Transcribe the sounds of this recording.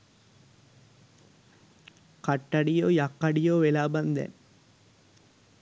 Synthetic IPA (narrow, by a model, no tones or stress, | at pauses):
kaʈːɐɖijoːjakːɐɖijoːʋelaːbɐnd̪ɛ̰n